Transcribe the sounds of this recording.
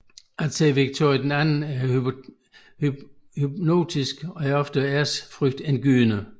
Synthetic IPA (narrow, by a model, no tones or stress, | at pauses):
æ̥seːʋiɡ̥̚t͡sʰo̝ɐjid̥enænn̩æɐ | hy | hyb̥no̝̰ːt͡sʰisɡ̥ɒ̽æɐɒ̽fd̥əæɐsfʁœɡ̥̚d̥enɡ̥y̰ːnə